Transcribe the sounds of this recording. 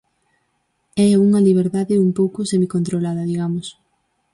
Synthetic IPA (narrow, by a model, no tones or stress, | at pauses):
ɛuŋɐliβ̞eɾðaðɪumpowkʊsemikont̪ɾolaðɐðiɣamʊs